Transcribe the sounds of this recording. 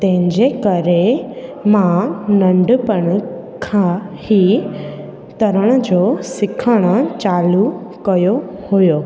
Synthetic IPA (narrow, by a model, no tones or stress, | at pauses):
t̪ɛ̃ɦɪ̃ɲd͡ʑekɐɾemãnɐ̃ɳɖpəɽ̃kʰãhi | t̪ɐɾəɽ̃ə̆d͡ʑoːsɪkʰəɽ̃ət͡ɕaːlukɐjohujoː